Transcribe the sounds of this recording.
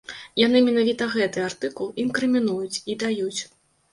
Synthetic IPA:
janɨmʲɛn̪avʲit̪ɐɣɛt̪ɨart̪ɨkulˠinkɾɨmʲinujut͡sʲid̪ajut͡sʲ

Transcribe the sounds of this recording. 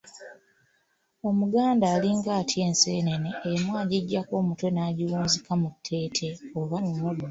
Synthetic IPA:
o̞muɡaːndaːliŋɡaːtʰje̞ːnseːneneːmwaːɟiɟːako̞ːmutwe̞naːɟiwuːnzikamutʰːe̞ːtʰe̞oβanunoɡ

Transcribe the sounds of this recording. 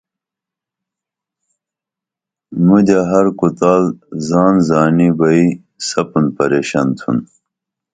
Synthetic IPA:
mudɐɦɐɾkut̪aːlzɑːnzaːnibɐi | sɐpunpɐɾeːɕɐnt̪ʰṵn

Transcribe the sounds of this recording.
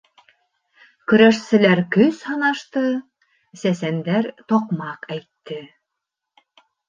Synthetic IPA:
kɵ̆ɾæʃsɘ̆læɾkɵzhɑnɑʃt̪ɤ | sæsænd̪æɾt̪oqmɑqæjt̪ːɘ

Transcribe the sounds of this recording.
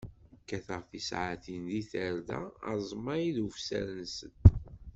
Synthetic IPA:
kːæθəʁfisʕaθinðiθəɾðæ̰ə̰zˤmɑjiðufsæ̰ɾənsət̪

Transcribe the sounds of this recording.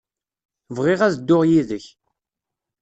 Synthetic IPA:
vʁɪʁæðd̪ːʊʁjiðəç

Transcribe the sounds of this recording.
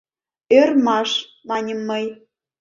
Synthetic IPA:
ørmɑʃ | mɑnʲəmːəj

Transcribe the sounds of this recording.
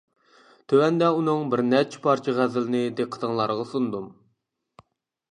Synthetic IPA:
t̪ʰøwɛnd̪ɛunɨŋbɪɾnɛt͡ʃʰɪ̥pʰɑɾt͡ʃʰiʁæzɪlɪnɪd̪eqʰːə̥t̪ʰəŋlˠɑɾʁɑsund̪um

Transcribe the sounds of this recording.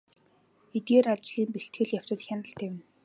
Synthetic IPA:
et̪ɡeːɾat͡ɕɮiːmpeɬt̪ɡɘ̆ɮjaw̥t͡ɕə̆t̪xʲjanə̆ɬt̪ʰeːwɘ̆n

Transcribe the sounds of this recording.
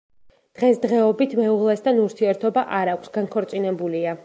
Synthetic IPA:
d̪̥ʁɛsd̪ʁɛɔbit̪ʰmɛuʁlˠɛst̪ʰanuɾt̪ʰiɛɾt̪ʰɔbaʔaɾakʷʰsɡaŋkʰɔɾt̪sʼinɛbulia

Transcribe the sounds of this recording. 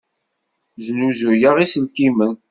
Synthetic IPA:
znuzujəʁisəlkimən

